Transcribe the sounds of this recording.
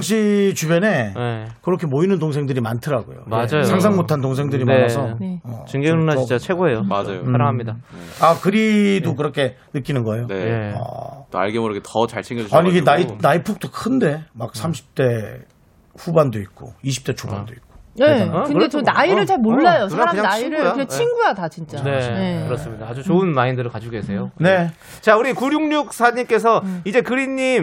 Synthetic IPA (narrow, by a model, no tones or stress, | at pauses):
kɕ̬͈ʰit͡ɕubjene̞kɯɾʌkʰe̞moinɯntoŋs̬ʰe̞ŋdɯɾimantʰɯɾaɡo̰jo̰md͡ʑajosʰaŋs̬ʰaŋmotʰant̬oŋs̬ʰeŋdɯɾimʌasʰʌʌ̰t͡ɕɯŋɡenaʌt͡ɕat͡ɕʰeɡoejoad͡ʑajoamɲidaakɯɾidok̬ɯɾʌkʰe̞nɯk͈inɯnɡʌe̞joeʌ̰t͈oa̰ɭɡemʌɾɯɡetʌt͡ɕaɭt͡ɕʰeŋɡjʌuaɲiɡenainaipʰuk̚t͈okʰɯnde̞mak̚sʰamɕʰi̥p̚t͈e̞ | ɸubandoit̚k͈o̰iɕ̬ʰi̥p̚t͈e̞t͡ɕʰoba̰ndoik̚k͈o̥nekɯndet͡ɕʌnaiɾɯɭt͡ɕaɭmoɭːajosʰaɾamaaiɾɯet͡ɕʰiŋɡujadat͡ɕint͡ɕ͈aeekɯɾʌss͈ɯmɲidaːd͡ʑut͡ɕoɯnmaindɯɾɯɭkad͡ʑuɡesʰe̞jone̞ | t͡ɕauɾikuɾjuŋɲuk̚sʰaɲimk͈e̞sʰʌid͡ʑe̞kɯɾiɲːim